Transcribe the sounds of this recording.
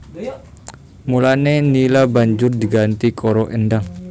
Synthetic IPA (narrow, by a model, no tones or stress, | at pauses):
mulanenilabaɲd͡ʒʊrd̪iɡant̪ikʰoɾoʔəndaŋ